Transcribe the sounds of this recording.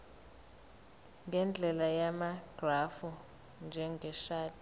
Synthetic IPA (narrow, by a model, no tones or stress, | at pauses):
ŋɡʱɛnd͡ɮʱɛlajamaɡ̥rafu | nd͡ʒʱɛŋɡʱɛʃaːtʰʼi